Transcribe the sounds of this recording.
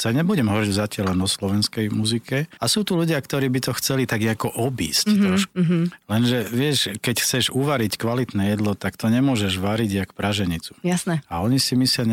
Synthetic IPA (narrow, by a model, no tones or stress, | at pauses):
saɲɛbuɟɛmɦɔɾiɟzacɪalɛnɔslɔʋɛnskɛjmuzikɛasuːt̪uluɟɪakt̪ɔɾiːbit̪ɔxt͡sɛlit̪aɡɛakɔʔɔbḭːsctɾɔʃkulɛnʒɛʋɪɛʃkɛcxt͡sɛʒuʋaɾickʋalit̪nɛjɛd̪lɔt̪akt̪ɔɲɛmʊɔʒɛʒʋaɾiɟakpɾaʒɛɲit͡su̥jasnɛaɔɲisimisɪaɲ